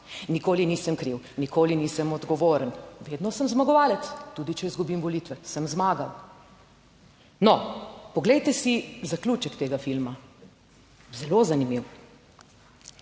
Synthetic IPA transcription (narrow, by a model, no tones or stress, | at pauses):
nikoːlinisəmkɾiw | nikʰoːliniːsəmɔd̪ɡɔʋoːɾənʋed̪nɔsəmzmaɡɔʋaːlɛt̪t̪ːuːd̪it͡ʃɛizɡubimʋɔlit̪ʋɛsəmzmaːɡaw | nɔpɔɡlɛjt̪ɛsizakluːt͡ʃəkt̪eːɡafilma | zɛlozanimiw